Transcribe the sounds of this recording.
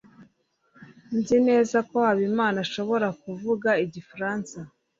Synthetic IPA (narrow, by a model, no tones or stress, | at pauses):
nzine̞ːzako̞haβimaːnaʃo̞βo̞ɾakuvuɡaiɟifɾaːnsa